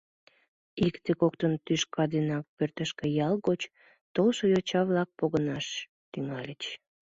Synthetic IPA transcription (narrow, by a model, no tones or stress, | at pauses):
ikt̪ekokt̪ənt̪yʃkʰɑd̪enɑk̚pørt̪əʃkĕjɑlɣot͡ɕ | t̪olʃojot͡ɕɑβlɑk̚poɣənɑʃ | t̪yŋɑlʲet͡ɕ